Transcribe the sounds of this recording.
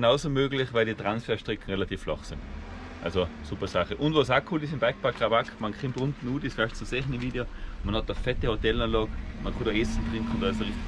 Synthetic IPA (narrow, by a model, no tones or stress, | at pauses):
naʊsomøːɡlɪχvaɪlditʁansfɛːɐʃtʁɪkʰn̩ʁelatiːflɑ̰χsɪn | ʔa̰lsosupɐsaχəʔʊntvosaːkʰuːlɪsɪmb̥aɪk̚paɡ̥ʁabakʰmankʰχɪmtʁʊntn̩uːdisfaɪʃtt͡susɛχnɪʋiːdeomanhɑt̚ːəfɛtehotɛlɑːnlɑːɡmankʰʊtdɑɛsn̩tʁɪŋkχʊnd̥ɑːɪsəʁɪ